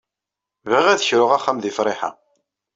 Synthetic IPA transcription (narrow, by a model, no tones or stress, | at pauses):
viʁæðçɾʊʁaχːamðifɾˤɪħa̰